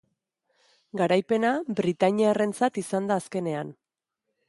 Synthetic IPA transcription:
ɡaɾajpe̞nabɾit̪aɲiare̞nt͡sat̪isand̪aːske̞ne̞an

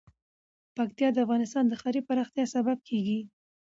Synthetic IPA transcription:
pak̚t̪jɑd̪əafɣɑnɪst̪ɑnd̪əxɑɾipaɾɑxt̪jɑsabab̚kʰeɡi

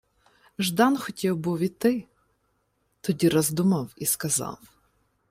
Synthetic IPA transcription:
ʒd̪ɑnxɔtʲiwbuwit̪ɪ | t̪ɔdʲiɾɐzd̪umɐwiskɐzɑ̰w

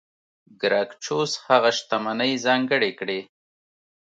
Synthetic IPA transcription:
ɡɾɑkt͡ʃoshaɣaʃt̪amanəjzɑŋɡəɽekɽe

